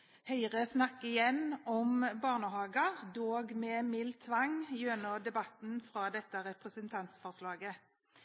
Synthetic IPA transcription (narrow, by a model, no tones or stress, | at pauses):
hœɪʁəsnɑkːɪjɛnːɔmbɑːʁnəhɑːɡəʁd̪oːɡmeːmɪlt̪ʰːʋɑŋjønɔd̪ɛbɑt̪n̩fʁɑːd̪ɛt̪ːəɾɛpʁəsənt̪ʰɑnt̪sfɔʁslɑːɡə